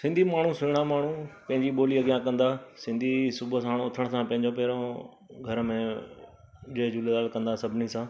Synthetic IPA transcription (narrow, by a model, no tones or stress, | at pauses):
sɪ̃nd̪ʱimaːɳ̤ũsʊɪɽ̃amaːɳ̤ũpɐ̃ɦɪ̃ɲd͡ʑiɓoːliɐɡjãkɐ̃nd̪aːsɪ̃nd̪ʱisʊbəsãːɽʊt̪ʰəɽ̃̆sãpɐ̃ɦɪ̃ɲd͡ʑop̬eːɾõ | ɡʱɐɾmẽ | ʄeːd͡ʑuːled̪aːlkɐ̃nd̪asɐbʱɪnisãː